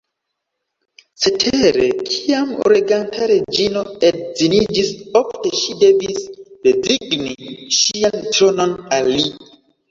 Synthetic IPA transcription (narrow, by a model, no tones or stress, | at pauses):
setʰeɾekʰijamo̰ɾiɡantʰaɾed͡ʒinoedzinid͡ʒisofteʃide̞visb̥eziɡniʃiantɾono̞nalːi